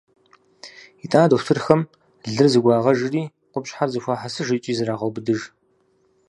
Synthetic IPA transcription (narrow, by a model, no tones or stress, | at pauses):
itʼaːdowtʰɨrxɐm | ɮɨrzɨɡʷɑːʁɐʒɪriː | qʷʊpɕʼħarzɨxʷaːħasɨʒɪt͡ʃʼiːzɨɾaːʁɐwbɨdɨʒ